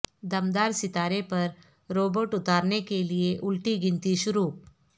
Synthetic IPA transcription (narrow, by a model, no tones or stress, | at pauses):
d̪ɐmd̪aːɾsɪt̪aːɾepɐɾ | ɾoːboːʈʊt̪aːɾnekelieʔʊlʈiɡɪ̃nt̪iʃʊɾuːp